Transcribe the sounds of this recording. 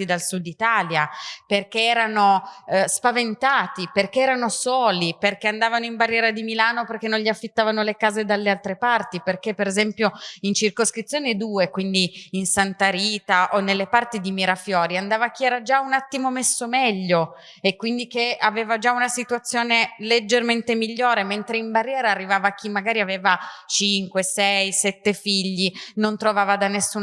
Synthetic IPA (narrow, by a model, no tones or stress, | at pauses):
id̪alsud̪ːit̪aːljaperk̟eɛːɾanospavent̪aːt̪iperk̟eɛːɾanosoːliperkeand̪aːvanoimbarːjɛːɾad̪imilaːnoperk̟ːenːõnʎiafːit̪ːaːvanolekaːzed̪alːealt̪ɾepart̪iperk̟epːeɾezɛmpjoint͡ʃirkoskɾit̪sːjoːned̪uːekwind̪iinsant̪aɾiːt̪aʔonːelːepart̪id̪imiɾafjɔːɾiand̪aːvak̟ːiɛːɾad͡ʒaunat̪ːimomesːomɛʎːo | ekwind̪ikeaveːvad͡ʒaunasit̪uat̪sːjoːneled͡ʒːerment̪emiʎːoːɾement̪ɾeimbarːjɛːɾaːrːivaːvak̟ʰimːaɡaːɾiaveːvat͡ʃiŋkwesɛjsɛt̪ːefiʎːinont̪ɾovaːvad̪anesːuː